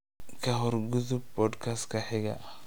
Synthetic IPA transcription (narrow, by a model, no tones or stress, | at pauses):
kʰɐɦɔrɡʊðʊb̚bɔːd̪kʰast̪kʰɐħɪɣɐ̰ʔ